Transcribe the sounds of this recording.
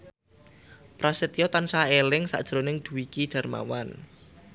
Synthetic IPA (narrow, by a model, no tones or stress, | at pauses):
pɾasit̪ijɔt̪ansaelɪŋsa̰ʔd̥ʒ̥ɾonɪŋd̪̥ṳwikiɖ̥a̤rma̰wan